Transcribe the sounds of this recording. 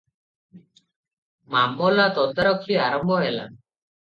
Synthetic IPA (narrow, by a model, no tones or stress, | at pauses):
mamːɔlat̪ɔd̪aɾɔkʰliaɾɔmbʱɔɦɛla̰